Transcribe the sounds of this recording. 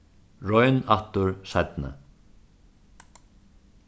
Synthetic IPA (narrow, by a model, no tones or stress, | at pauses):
ɹɔjnaht̪ʊɹsajt̪nɪ̰